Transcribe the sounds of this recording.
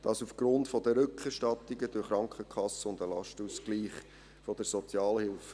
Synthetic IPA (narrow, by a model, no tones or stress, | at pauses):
d̥ɑsufɡ̥ɾʊntfɔdəɾʏkχɛɾʃtɑt̪iɡəd̥ʊχɾɑŋkχəkχɑsəʊndəlɑ̰ʃtuskliːχ | fɔd̥̪əɾsɔt͡sjɑːlhɪlf